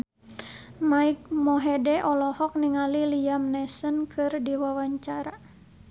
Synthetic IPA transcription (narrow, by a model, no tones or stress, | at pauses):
maik̚mɔɦɛdɛʔɔlɔhɔk̚niŋalilijamnɛsənkʰɨrdiwawaɲt͡ʃaɾa